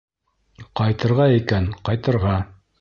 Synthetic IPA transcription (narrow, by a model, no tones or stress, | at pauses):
qɑjt̪ɤ̆ɾʁɑikænqɑjt̪ɤ̆ɾʁɑ